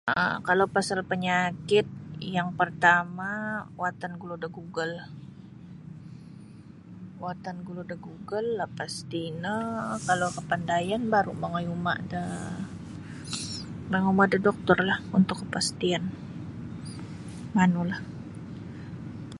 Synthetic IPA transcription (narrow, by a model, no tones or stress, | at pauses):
ə̰kalowpasalpəɲakɪt̪̚jaŋpərt̪amawat̪anɡuludaɡuɡəl | wat̪anɡuludəɡuɡəlːapast̪inəkalowkəpandajanbaɾṵmaŋajuma̰da | maŋumadadɔk̚t̪ɔrlahunt̪ʊkːəpast̪ian | manulah